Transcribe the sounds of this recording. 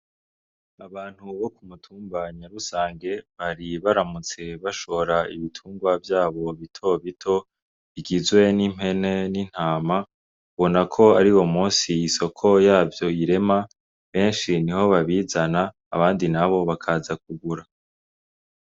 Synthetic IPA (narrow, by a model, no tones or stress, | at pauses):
aβaːn̥huβo̞kumutʰuːmbaɲaɾusaːŋɡe̞βaɾiβaɾamut͡se̞βaʃo̞ɾaiβitʰuːŋɡwavjaːβo̞βitʰo̞βitʰo̞ | βiɡizwe̞nim̥he̞ne̞nin̥haːma | βo̞nakʰo̞aɾiwo̞muːnsiiso̞kʰo̞jaːvjo̞iɾe̞ma | βe̞ːnʃiniho̞βaβiːzana̰ː | βaːndinaβo̞βakʰazak̚uɡuɾa